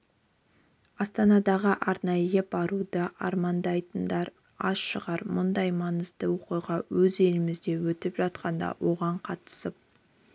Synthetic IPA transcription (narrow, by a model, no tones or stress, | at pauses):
ɑst̪ɑnɑd̪ɑʁəʔɑɾnɑjəbɑɾud̪əʔɑ̰ɾmɑnd̪ɑjt̪ənd̪ɑɾ | ɑsʃəʁɑɾmʊnd̪ɑjmɑnəzd̪əwoqujʁɑwɵze̞lɪmɪzd̪e̞wɵt̪ɪpʒɑt̪̚qɑnd̪ɑ̰wo̞ʁɑɴqʰɑt̪ə̥səp̚